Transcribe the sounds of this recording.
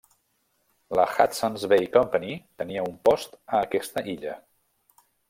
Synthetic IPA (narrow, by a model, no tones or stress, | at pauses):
ləxa̰t̪sənzβejkɔmpənit̪əniəumpɔst̪əːkɛst̪əʔiʎə